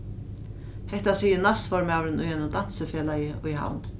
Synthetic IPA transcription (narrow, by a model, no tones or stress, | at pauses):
hɛht̪asiːjɪnasfɔɾmaːwɾɪnʔʊjhɛnʊmd̪ansəfeːlajɪʔʊ̰jɦa̰wn